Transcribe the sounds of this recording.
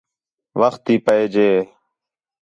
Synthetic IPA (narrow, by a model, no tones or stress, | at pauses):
ʋəxt̪iːpəeːd͡ʒeː